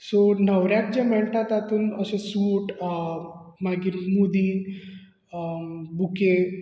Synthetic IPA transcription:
sonəʋɾjak̚d͡ʑamɛɭt̪at̪at̪uːnəsẽsuːʈ | maɡiːɾmud̪iːn | buke

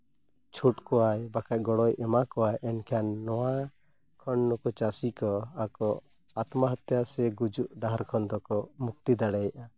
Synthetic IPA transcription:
t͡ʃʰuʈkɔajbakaʔɡɔɽɔjʔɛmakɔwajʔɛnkʰanːɔwa | kʰɔnːɔkɔt͡ʃasikɔakɔ | at̪maɦat̪jasɛɡud͡ʒuʔɖaɦaɾkʰɔnd̪ɔkɔmuk̚t̪id̪aɽɛjʔa

